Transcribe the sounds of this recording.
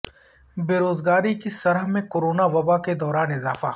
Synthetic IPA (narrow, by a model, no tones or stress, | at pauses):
beːɾoːzɡaːɾikisɐɾɦmẽkoːɾoːnaʋɐbaked̪ɔːɾaːnɪzaːfaː